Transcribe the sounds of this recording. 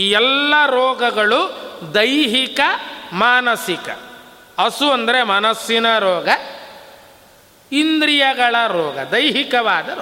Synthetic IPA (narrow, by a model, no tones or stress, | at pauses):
iːɛlːɐɾɔːɡɐɡɐɭud̪ɐjɦikɐmaːnɐsikɐ̰ | ɐsuɐnd̪ɐɾemɐnɐsinɐɾɔːɡɐ | ind̪ɾijɐɡɐɭɐɾɔːɡɐ̰d̪ɐjɦikɐʋaːd̪ɐ